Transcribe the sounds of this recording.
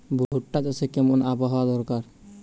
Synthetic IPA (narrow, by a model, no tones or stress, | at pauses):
bʱuuʈːat͡ʃosekɛmunabɔɦad̪ɔɾkaɾ